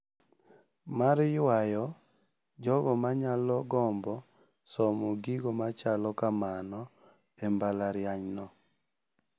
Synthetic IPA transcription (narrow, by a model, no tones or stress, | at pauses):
maɾjwajɔ | d͡ʒɔɡɔmaɲalɔɡɔmbɔ | sɔmɔɡiɡɔmat͡ʃalɔkamanɔ | embalaɾɪjaɲnɔ